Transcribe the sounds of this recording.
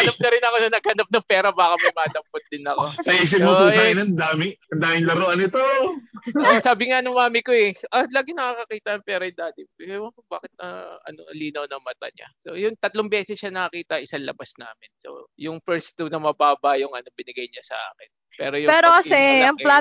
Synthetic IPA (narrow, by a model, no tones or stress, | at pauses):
hɐnap̚nɐɾɪnɐko̞nɐnɐɡ̚hɐnap̚nɐŋpɛːɾɐbaːkɐmɐjmaːd̪ɐmpot̪̚d̪ɪnɐko̞sɐiːs̬ɪpmoʔɛnɐnd̪aːmɪɐnd̪aːmɪŋlɐɾoʔɐnɪt̪o | osaːbɪŋanʊŋmaːmɪkoɛʔɐlaːɡɪnɐkaːkɐkiːt̪ɐɐŋpɛːɾɐjɪd̪aːd̪ɪɐba̰ːkɪt̪̚ɐ̰ɐ̰no̰liːnɐwnɐŋmɐt̪ɐ̰ɲa̰so̰jʊŋt̪ɐt̪loŋbjɛːsɛsʃanɐkɐkiːt̪ɐʔɪsɐnlɐ̰bɐsna̰ːmɪnso̰jʊŋpɛɹst̪ʊnɐmɐbaːbɐjʊŋɐno̞bɪnɪɡɐjɲasɐ̰ʔa̰ːkɪn | pɛːɾojʊpɛːɾokɐsɛɐŋpla